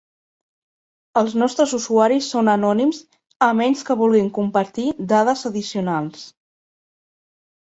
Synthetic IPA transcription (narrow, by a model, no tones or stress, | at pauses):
əlˠznɔst̪ɾəzuzuaɾisːonənɔnimz | əmɛnskəβulˠɣiŋkumpəɾt̪id̪aðəzəðisiunalˠs